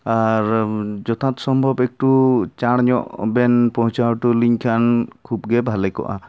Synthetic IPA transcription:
aɾd͡ʒɔt̪ʰat̪sɔmbʱɔbɛk̚ʈut͡ʃaɽ̃ɲɔ̰ʔbɛnpɔɦt͡ʃaɾʈuliɲkʰankʰubɡɛbʱalɛkɔ̰ʔa̰

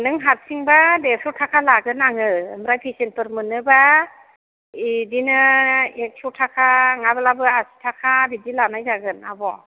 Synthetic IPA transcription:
nɯŋɦat̚siŋbadepʰɔtʰakʰalaɡɯnaŋɯːmɾajpʰisenpɯɾmɯnɯba | idinɯek̚sʰutʰakʰaŋabalabɯasi̥tʰakʰabidilanajzaɡɯna̰bɔ

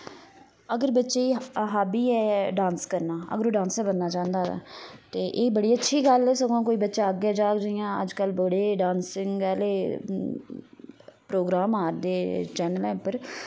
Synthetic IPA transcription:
əɡəɾbətːʃeːiɦaːbiːɛːɖãːnskəɾnaːə̰ɡəɾoːɖãːnsɛːbənːaːt͡ʃãːnd̪aːa̰ːt̪eːʔeːbəɽiːətːʃʰiːɡəlɛːsəɡãːkoːiːbətːʃaːəɡeːd͡ʒaːkd͡ʒaɪjãːə̰d͡ʒkəlbəɽeːɖãːnsɪŋɡɛːleː | pɾoːɡɾaːmaːɾd̪eːt͡ʃɛːnəlɛ̃ːʊpəɾ

